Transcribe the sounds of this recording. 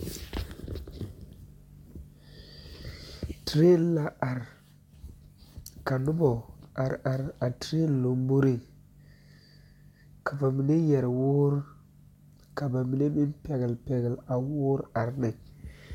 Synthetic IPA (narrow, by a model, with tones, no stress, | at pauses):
tɾe˦˨n˦la˦a˨ɾ | ka˨nu˦bo˨a˨ɾa˨ɾa˨tɾe˦n˨lo˨mbu˦ɾi˨ | ka˨fa˨mi˨ne˦je˨ɾwo˦ɾ | ka˨ba˨mi˨ne˦ɓi˦npe˨ɡə˨lpe˨ɡə˨la˨wo˦ɾa˨ɾne˨